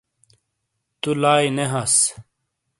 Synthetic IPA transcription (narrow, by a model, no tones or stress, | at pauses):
t̪ulaːjneɦɐs